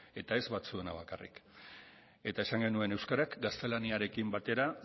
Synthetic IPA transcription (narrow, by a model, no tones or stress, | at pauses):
e̞t̪ae̞zβat͡sue̞naβ̞akarḭk | e̞t̪ae̞saŋɡe̞nue̞ne̞wskaɾakɡast̪e̞laniaɾe̞kimbat̪e̞ɾa